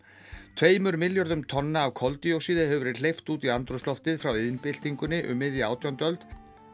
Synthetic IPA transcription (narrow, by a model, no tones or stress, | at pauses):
t̪ʰveːjmʏɾmɪljɔɾðʏmt̪ʰɔnːaːwkʰɔlt̪iowsiːðɪhɛvʏɾɪlejft̪uːt̪iant̪ɾʊst̪ɔft̪ɪðfɾawɪðnpɪl̥t̪iŋkʏnːɪʔʏ̰mːɪðjaaːwt̪ʰjawnt̪œlt̪